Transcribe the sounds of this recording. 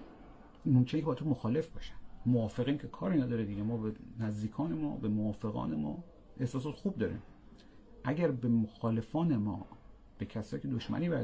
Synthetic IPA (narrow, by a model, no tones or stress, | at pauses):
momkʰʲenekʰebɒːt̪ʰomoxɒːle̞fbɒːʃæ̥nmoɒːfeɣiːncʰe̞kʰɒːɾiːnæd̪ɒːɾed̪iɟemɒːbenæzd̪iːkʰɒːne̞mɒ̰ːbemoɒːfe̞ɣɒ̰ːnemɒ̰ː | ʔe̞hsɒːs̬ɒːt̪xuːb̚d̪ɒːɾḭːm | ʔæɟæɾbemoxɒːle̞fɒːne̞mɒ̰ː | b̥e̞cʰæsɒːiːcʰed̪oʃmæ̰niːbæ